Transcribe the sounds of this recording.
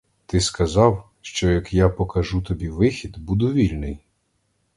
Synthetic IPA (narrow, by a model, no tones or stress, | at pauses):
t̪ɪskɐzɑw | ʃt͡ʃɔjɐkjapɔkɐʒut̪ɔbʲiʋɪxʲid̪bud̪ʊʋʲilʲnɪj